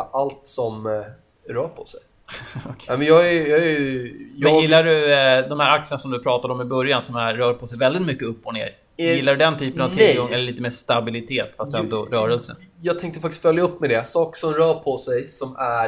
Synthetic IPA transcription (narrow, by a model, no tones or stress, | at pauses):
ʔalt̪sɔm | ɾœːpʰɔsɛjʰ | nɛmɛnjɑːɡɛjɑɛjɛnjɪlːaɖɵd̪ɔmhæːɾak̚t̪səɳasɔmd̪ɵpʰɾɑːt̪ad̪əɔmɪbɵɾjansɔmæːœːɾpʰɔsɛjvɛld̪ɪt̪mʏkːəɵpːɔnḛːɾ | jɪlːaɾɵd̪ɛnt̪ʰyːpənavt̪ʰɪɡɔŋːɛlːəɭiːt̪əmeːʂt̪abɪlɪt̪ʰeːt̪fast̪ɛnd̪ɔɾœːɾɛlsə̰njɑːɡt̪ʰɛŋkt̪ə̥fak̚t̪ɪst̪fœljaɵpːmɛd̪ɛsɑːksɔmɾœːpʰɔsɛjsɔmæ